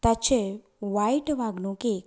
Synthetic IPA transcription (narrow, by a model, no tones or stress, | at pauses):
t̪at͡ʃʰe | ʋaiʈʋaɡnũke